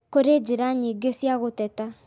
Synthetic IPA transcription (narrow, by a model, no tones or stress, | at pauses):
koɾed͡ʒeɾaɲiɡesjaɣotɛta